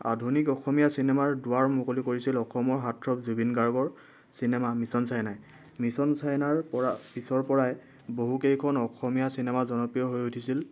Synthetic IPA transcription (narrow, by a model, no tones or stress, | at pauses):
a̰dʱunikɔxɔmijasinɛmaɹdʊwaɹmʊkolikoɹisilɔxɔmɔɹɦatʰɹɔpzubinɡaɹɡɔɹ | sinɛmamisɔnsajnaj | misɔnsajnaɹɔpisɔɹpɔɹaj | boɦukejkʰɔnɔxʰɔmijasinɛmazɔnɔpɹijɔɦojutʰisil